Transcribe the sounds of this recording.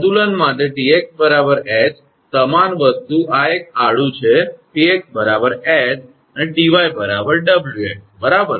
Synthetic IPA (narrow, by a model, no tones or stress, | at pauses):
t̪ulənmaʈ̪̬eʈiek̚s̚bəɾabəɾɛd͡ʒ | səmanʋəst̪uʔaek̚aɭũt͡ʃʰeʈiek̚bəɾabəɾɛd͡ʒ | əneɖiʋajbəɾabəɾɖəbljuḛʈ̚bəɾabəɾ